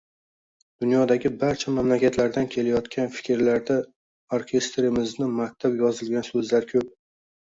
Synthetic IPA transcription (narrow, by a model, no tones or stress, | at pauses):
d̪̥ʊnjɒd̪aɡʲɪbaɾt͡ʃʰamamlakʲʰat̪laɾd̪ankʲʰe̞lajɒt̪kʲʰanfɪ̥kʲɾlaɾd̪a | oɾkʲʰe̞st̪ɾɪmɪznɪmakʲt̪ʰapjɒzɪlɡʲansɵzlaɾkʲʰɵp̚